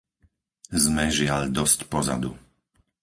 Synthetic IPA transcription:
zmɛʒɪaʎd̪ɔscpɔza̰d̪ṵ

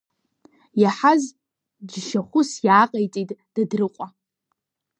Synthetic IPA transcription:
jaħaz | d͡ʒʃaχʷʊsjaːqʼajt͡sʼitʼd̥adrɨqʷʼa

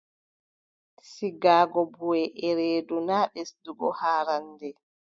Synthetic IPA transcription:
siɡaːɡɔbuɛʔɛɾeːdunaːɗɛsduɡɔhaːɾandɛ

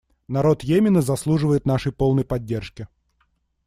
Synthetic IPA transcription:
nɐɾo̞t̪jemʲɪnəzɐslˠuʐɨvəjɪt̪naʂɨjpo̞lˠnəjpɐdʲːerʂkʲɪ

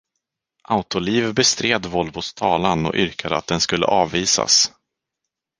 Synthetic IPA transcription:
ʔaʊt̪ʊliːvbɛst̪ɾeːd̪vɔlvʊst̪ʰɑːlanɔ̰ʔʏɾkʰad̪əa̰t̪̚d̪ɛnskɵlːə̰ʔɑːvːiːsa̰s

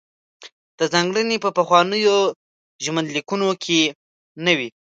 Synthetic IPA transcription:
d̪̥əzɑŋɡɽənepəpəxwɑnəjo | ʒmənd̪likunokʰe | nawi

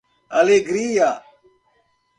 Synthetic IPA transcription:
ɐleɡɾiːjaː

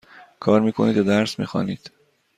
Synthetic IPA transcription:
kʰɒːɾmiːkʰoniːd̪d̪æɾsmḭːxɒ̰ːniːd̪̥

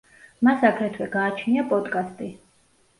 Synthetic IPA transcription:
masakʰɾɛt̪ʰwɛɡaːt͡ʃʰniapʼɔd̪kʼast̪ʼi

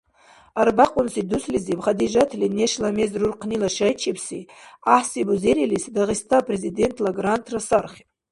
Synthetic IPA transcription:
arbaqʼʊnsiduslizibχad̪iʒatʰlenʲeʂlamezrurqʰnilaʂajt͡ʃʰipʰsḭaħsibuzeɾilisdaʁistʰaːpʼrezide̞ntʰlaɡrantʰrasarχʲ

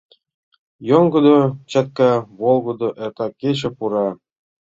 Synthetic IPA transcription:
joŋɡɤ̆d̪ŏt͡ɕɑt̪̚kɑβolˠɡɤ̆d̪ŏʔert̪ɑkʲeɕɘ̆puɾɑ

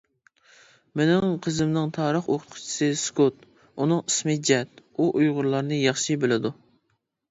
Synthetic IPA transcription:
menɪŋqʰəzɪmnɨŋt̪ʰɑːɾəχoqʰʊt̪̚qʰʊ̥t͡ʃʰi̥sɨskʰot̪ | unɨŋismɨd͡ʒɛt̪uʔujʁʊɾlˠɑɾnɨjɑχʃɨbɪlɪd̪u

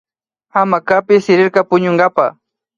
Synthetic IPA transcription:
amakapɪsɪɾɪɾkɑpʊɲoɴɢɑpa

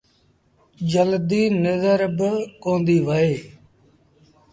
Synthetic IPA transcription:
d͡ʒəld̪iːnəzəɾbkõːnd̪iːʋəeː

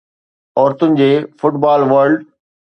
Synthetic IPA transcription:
ɔːɾt̪ʊnɪ̆d͡ʑeːfʊʈbaːlʋəɾɖ

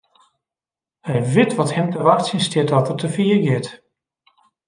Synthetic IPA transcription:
hɛjʋɪtʋɔthɛmtəʋaxtsinstɪtɔtərtəfiərɡɪt

